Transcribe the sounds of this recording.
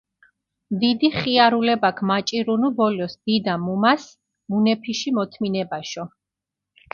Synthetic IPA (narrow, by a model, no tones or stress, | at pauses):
md̪id̪iχiaɾulɛbakʰmat͡ʃʼiɾunubɔlɔsd̪̥id̪amumas | munɛpʰiʃimɔt̪ʰminɛbaʃɔ